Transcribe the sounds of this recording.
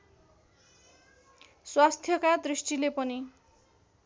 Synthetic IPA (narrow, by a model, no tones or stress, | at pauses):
swast̪ʰjʌkad̪risʈilepʌni